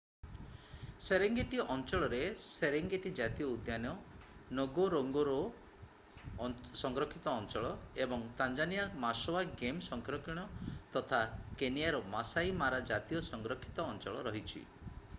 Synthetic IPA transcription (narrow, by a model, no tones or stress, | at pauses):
seɾeŋɡeʈiʔɔnt͡ʃɔɭɔɾeseɾeŋɡeʈid͡ʒat̪ijɔud̪janjɔnoɡoɾoŋɡɔɾɔ | sɔŋɡɾɔkʰit̪ɔːnt͡ʃɔɭɔebɔŋt̪and͡ʒanijamasɔwaɡemsɔŋkɾɔkiɽ̃ɔt̪ɔt̪ʰakenijaɾɔmasajmaɾad͡ʒat̪ijɔsɔŋɡɾɔkʰi̥t̪ɔːnt͡ʃɔɭɔɾɔɦit͡ʃʰḭ